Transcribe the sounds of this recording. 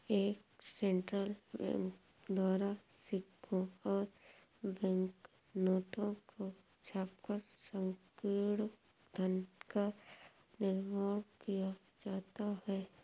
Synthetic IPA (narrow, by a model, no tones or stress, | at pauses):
eːksẽːɳʈɾəl̰ | d̪ɔːɾasɪkʰːoɔːɾbɛ̃ŋknoːʈõkot͡ʃʰaːp̚kəɾsə̃ŋkiːɽd̪ʱənʈka | nɪlʋɔɾbkijad͡ʒaːt̪aɦɛː